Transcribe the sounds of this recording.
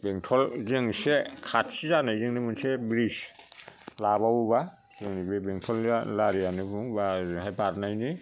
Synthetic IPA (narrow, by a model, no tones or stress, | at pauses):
beŋtʰɔlzeŋsekʰatsizanɯjzeŋnɯmɯnsebɾis | laβawuba | zeŋnibebeŋtʰɔlalaɾianɯbuŋbazɦajbaɾnajnɯ